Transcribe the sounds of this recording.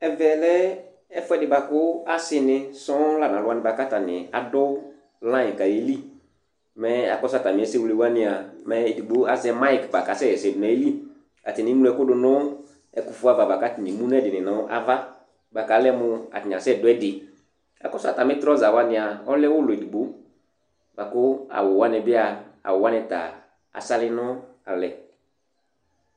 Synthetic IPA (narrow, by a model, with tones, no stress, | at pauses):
ɛ˨vɛ˨lɛ˦ | ɛ˦fʊ˦ɛ˦dɪ˨ba˨kʊ˦a˦sɪ˦nɪ˧sɔ̃˦la˨nã˨lʊ˦a˦nɪ̃˨ba˨ka˦ta˨nɪ˨a˨dʊ˦ | lã˦ɪ˨ka˨je˨˦li˦ | mɛ˨˦a̰˨kɔ˦sa˦˨ta˨mɪ˨˦ɛ˦se˦wle˨wa˦nɪ˨a˨mɛ˨e˨di˨ɡ͡bo˦a˨zɛ˦ma˦ɪ˨kba˨ka˨sɛ˦˨ɛ˨sɛ˨dʊ˨nɛ˨˦e˦li˦ | a˨tɪ˨nɪ̃˨˦nu˦lɛ˧˨kʊ˦dʊ˨nʊ̃˦ | ɛ˨kʊ˨fʊ˦a˨va˨ba˨ka˨˦tɪ˨nɪ̃˨mũ˦n˦ɛ˦dɪ˨nɪ˨nã˨˦ʔa̰˦va˦ | ba˨ka˨˦lɛ˦mʊ˧a̰˨tɪ˨ɲ˨ã˨sɛ˦˨dʊ˨˦ɛ˦dɪ˨ | a̰˨kɔ˦sa˦˨ta˨mɪ˦tɾɔ˦za˨wa˦nɪ˨a˨ɔ˦lɛ˦wʊ˦lʊ˨e˨di˨ɡ͡bo˨˦ | ba˨kʊ˦a̰˨wʊ˨wa˦nɛ˧˨bɪ˦a˨a̰˨wʊ˨wa˦nɛ˧ta̰˨ | a̰˨sa˦lɪ˦nʊ˦ | a˨lɛ˨